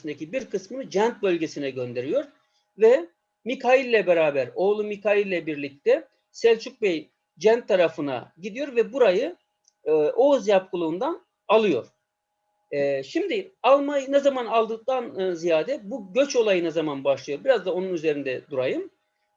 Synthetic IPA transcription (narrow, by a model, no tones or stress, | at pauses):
ind̪ecʰibiɾkɯsmɯnɯd͡ʒænt̪̚bø̞lʲɟe̞sinɛɟø̞nd̪e̞ɾijo̞ɾ | vɛ | mikʰailʲːɛbeɾaːbæɾo̞ːlˠumikʰajilʲːɛbiɾlʲic̚t̪ʰɛ | sɛlʲt͡ʃʰuk̚bej | d͡ʒænt̪ʰːaɾafɯna̰ɟid̪ijo̞ɾvɛbuɾajɯ | ʔo̞zjap̚kʰulˠuːnd̪an | alˠɯjo̞̰ɾ̥ | ɛʃimd̪ɪalˠmajnazamanalˠd̪ɯk̚t̪ʰanzijaːd̪ɛbuɟø̞t͡ʃo̞lˠajɯnazamanbaʃlˠɯjo̞ɾbiɾazd̪ao̞nunyze̞ɾind̪ɛd̪uɾajɯm